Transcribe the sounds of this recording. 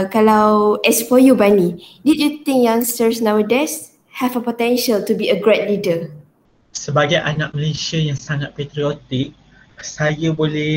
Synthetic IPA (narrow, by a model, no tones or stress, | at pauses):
kalawɛsfɔjubanididjut̪ĩŋkjãŋstəɹsnawədɛs | hɛvəpɔtɛ̃nʃəltubiəɡɹɛt̚lidə | səbaɡajʔanak̚mə̃lasjajaŋsaŋat̪̚pet̪ɾiot̪ik̚ | sajəbolɛ